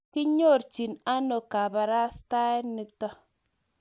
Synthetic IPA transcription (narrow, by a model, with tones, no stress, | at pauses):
ki˦ɲo˦˨ɾt͡ʃi˨na˦no˨ka˨ba˨ɾa˦sta˦e˦ni˦ktɔ˦